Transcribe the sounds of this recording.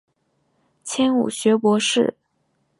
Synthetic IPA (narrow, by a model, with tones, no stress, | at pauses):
t͡ɕʰjɛ˥nṵ˨˩ɕɥɛ˧˥pwɔ˧˥ʂɻ̩˥˩